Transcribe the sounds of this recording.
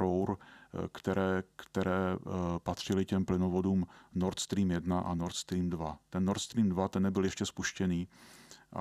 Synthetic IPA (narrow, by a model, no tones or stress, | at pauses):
owɾkt̪ɛɾɛːkt̪ɛɾɛːpat̪r̝̥ɪlɪcɛmplɪnovo̞duːmnoɾt̪st̪ɾiːmjɛdnaʔanoɾt̪st̪ɾiːmdvat̪ɛnːoɾt̪st̪ɾiːmdvat̪ɛnːɛbɪljɛʃcɛspuʃcɛniːʔ